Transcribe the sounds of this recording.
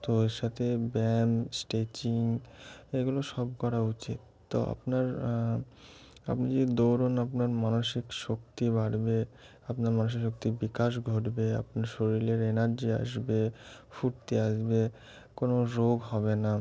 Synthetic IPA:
t̪oeʃat̪ʰebɛmsʈet͡ɕiŋeɡuloʃɔbkɔɾaut͡ɕit̪̚ːo̰a̰pnaɾ | a̰pnid͡ʑed̪owɾonapnaɾmanoʃikʃokt̪ibaɽbe | apnaɾmanoʃ̬ikʃok̚t̪ibikaʃ̬ɡʱoʈbea̰pnaɾʃoɾileɾenaɾd͡ʑia̰ʃbefuʈt̪iaʃbe | konoɾoɡɦɔβena

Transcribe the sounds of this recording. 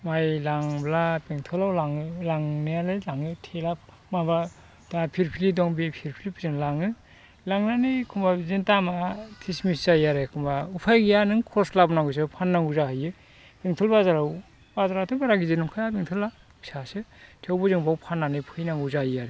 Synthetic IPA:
majlaŋblapeŋtʰɔlawlaŋɯlaŋnɯalɯlaŋɯtʰelap̚ | maba | tapʰiɾpʰilidɔŋbipʰiɾpʰilipʰɯzɯŋlaŋɯ | laŋnanɯkʰumbazintamatʰismisajaɾɯkʰumbaupʰajɡijanɯŋkʰɔɾslabnaŋɡus̬ɯpʰanːaŋɡuzahɯjɯ | peŋtʰɔlbazaɾaw | bazaɾatʰɯbaɾaɡizɯnɯmkʰajabiŋtʰɔla | bi̥sasɯtʰewbɯzɯŋbawpʰanːanɯjpʰɯjnaŋɡuzaiaɾe

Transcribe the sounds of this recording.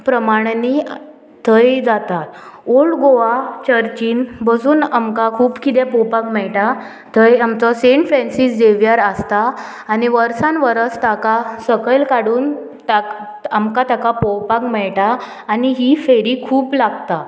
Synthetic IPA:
pɾəmaɽ̃ni | t̪ʰəjd͡zat̪at̪oɭɡoʋat͡ɕəɾt͡ɕiːnbəd͡zuːnamkakʰuːbkit̪ɛpɔwpakmɛɭʈa | t̪ʰəjamt͡sɔseɳʈfɾɛ̃nsisd͡ʑeʋjaɾəst̪aː | niʋəɾsãnʋəɾət͡st̪akasəkəlkaɽuːn | t̪a | amkat̪akapɔwpakmɛɭʈaː | niɦifeɽiːkʰuːplaɡt̪a

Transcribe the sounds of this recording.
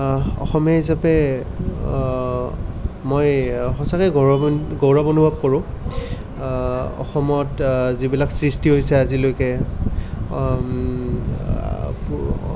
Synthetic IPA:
ɔ̰xɔmɛhis̬apɛ | mojxɔsakɛɡoɡowɹabonubʱab̚koɹʊ̃ | ɔ̰xɔmɔtzibilaksɹistiɦojsɛazilojkɛ

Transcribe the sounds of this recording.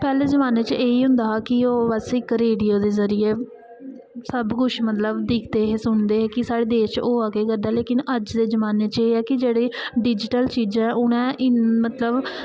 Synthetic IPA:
pɛːleːzəmaːneːt͡ʃeːiːɦʊ̃nd̪aːaːkɪoːʋɛːsɪkɾeːɖijoːd̪eːzəɾijeː | səbkʊt͡ʃʰmət̪ləbd̪ɪːkʰt̪eːɦeːsʊɳd̪eːɦeːkɪsaːɽeːd̪eːʃoːaːɡeːkəɾd̪ɛːleːkɪnəd͡ʒd̪eːzəmaːneːt͡ʃeːɛːkɪd͡ʒeːɽeːɖɪd͡ʒɪʈəlt͡ʃiːd͡ʒɛ̃ːʔʊñɛ̃ːʔɪmət̪ləb

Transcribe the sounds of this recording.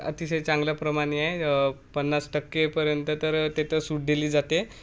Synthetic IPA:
ə̰t̪iɕəjt͡sãŋɡlapɾəmaɽ̃iaepənːat͡sʈəkːepəɾjənt̪ət̪əɾt̪et̪əɾsuʈ̚ɖ̪eliːd͡zat̪e

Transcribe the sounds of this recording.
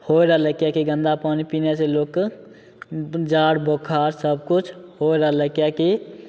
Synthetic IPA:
hoeɾəɦləkjakeɡə̃nd̪apaːnipineseloːkː | d͡ʒaːɽbokʰaɾsəb̚kʊt͡ʃʰhoeɾəɦləkjake

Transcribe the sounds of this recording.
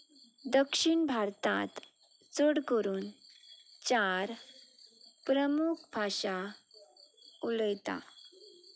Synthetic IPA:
d̪əkʂiɳbʱaɾt̪ã̰t̪ | t͡səɽkəɾuːn | t͡ɕaɾ | pɾəmuk̚ʰbʱaɕa | uləjt̪a̰

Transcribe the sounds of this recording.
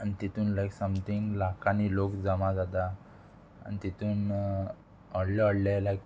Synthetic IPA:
anit̪it̪ʰuːnlajksəmt̪ʰĩŋɡlakanilokd͡zamãd͡zat̪a̰ː | nit̪it̪ʰuːn | ɔɽlɔɔɽlelajk̚

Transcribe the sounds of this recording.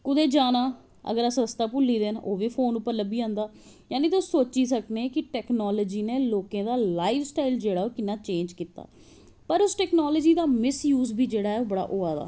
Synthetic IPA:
kʊd̪eːd͡ʒaːnaː | ə̰ɡəɾasəst̪aːpʊlːiːd̪eːnoːʋiːpʰoːnʊpːəɾləbiːãːnd̪aː | jaːnĩːt̪osoːt͡ʃiːs̬əkneːkɪʈɛːknaːlɔːd͡ʒiːneːloːkẽːd̪aːlaːiʋsʈaːild͡ʒeːɽaːoːkɪnːãːt͡ʃẽːɲd͡ʒkiːt̪a̰ː | pəɾʊsʈɛːknaːlɔːd͡ʒiːd̪aːmɪsjuːzbʱiːd͡ʒeːɽaːɛːoːbəɽa̰ːʔoːaːd̪a̰ː

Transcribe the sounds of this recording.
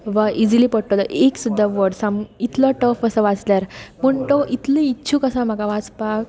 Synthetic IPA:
ʋaʔid͡zilipəɽʈolɔʔeksud̪ʱːaʋəɽsamit̪lɔʈəfəsəʋat͡sljaɾpəɳt̪ɔʔit̪liitːɕʰũkəsãm̤akaʋat͡spa

